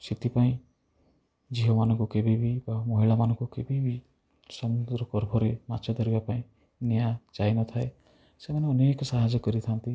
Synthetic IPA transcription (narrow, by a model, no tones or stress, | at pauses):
sit̪ipaĩ | d͡ʒiɦɔmanɔŋkukebibibamɔɦiɭamanɔ̃ŋkukebibi | sɔmud̪ɾɔkɔɾbʱɔɾemat͡ʃʰɔd̪ɔɾibapaĩ | nijad͡ʒajnɔt̪ʰae | semaneɔneːkɔsaɦad͡ʒɔkɔɾit̪ʰant̪i